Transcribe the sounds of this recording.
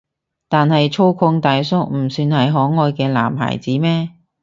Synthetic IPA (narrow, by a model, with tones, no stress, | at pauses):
t̪aː˨nhɐ˨jt͡ʃʰo˥wkʰʊ˧ŋt̪aː˨jsʊ˥k̚m̩˨˩syː˧nhɐ˨jɦɔː˨˥ŋɔː˨˧jkɛː˧la̰ː˨˩mɦa̰ː˨˩jt͡siː˨˥mɛː˥